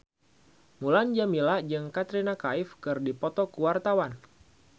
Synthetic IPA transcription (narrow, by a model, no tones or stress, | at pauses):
muland͡ʒamilad͡ʒɨŋkat̪ɾinakaɪfkɨrdipɔt̪ɔkuwart̪awan